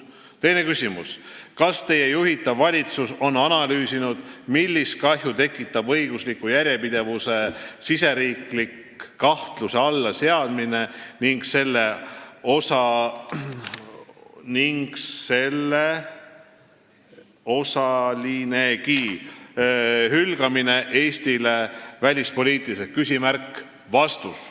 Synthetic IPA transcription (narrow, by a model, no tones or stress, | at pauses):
t̪e̞jne̞kysʲimṵskɑst̪e̞je̞juɦit̪ːˑɑvːɑlʲit̪suso̞nːɑnɑlyːsinud̪̥milʲːist̪̚kɑɦjut̪e̞kːˑit̪ˑːɑbɤjɡ̥uslikːujæɾʲjepid̪̥e̞vuse̞sise̞ɾiːklikː | ɑht̪luseɑlːɑse̞ɑd̪̥mine̞niŋɡse̞lːe̞o̞sɑ | niŋɡ̥se̞lːe | o̞sɑline̞ki | ɦylɡ̥ɑmine̞ʔeːsʲt̪ile̞vælʲispo̞lʲiːt̪ˑilisekysʲimærkː | vɑst̪us